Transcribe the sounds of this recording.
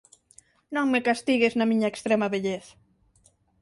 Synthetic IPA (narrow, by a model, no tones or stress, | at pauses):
nõŋmekast̪iɣeznɐmĩɲɐekst̪ɾemɐβeʎeθɐ̥